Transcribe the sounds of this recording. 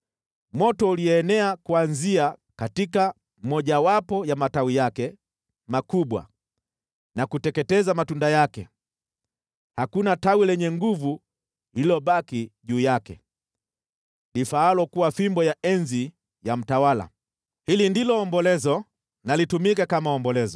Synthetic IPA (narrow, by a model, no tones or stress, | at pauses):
mɔtɔuliɛːnɛakuanziakatika | m̩mɔʄawapɔjamatawijakɛ | makuɓwa̰ | nakutɛkɛtɛzamatundajakɛ | hakunatawilɛɲɛŋɡuvu | liilɔɓakiʄuːjakɛ | lifaalɔkuwafimbɔjaɛnzi | jam̩tawala̰ | hilindilɔːmbɔlɛzɔ | nalitumikakamaɔmbɔlɛzɔ